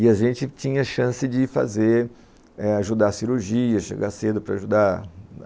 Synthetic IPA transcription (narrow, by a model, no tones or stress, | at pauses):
ɪaʒẽnt͡ʃɪt͡ʃĩɲɐʃɐ̃sɪd͡ʒɪfa̰ze | ɛaʒud̪asiɾuɾʒiɐʃḛɡased̪ʊpɾɐaʒud̪a